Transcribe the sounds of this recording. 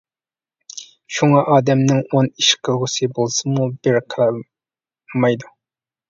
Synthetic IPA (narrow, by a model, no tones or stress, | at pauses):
ʃuŋɑʔɑːd̪ɛmnɪŋoniʃqʰəlˠʁʊsɨbolˠsɨmubɪɾqʰəl | mɑjd̪u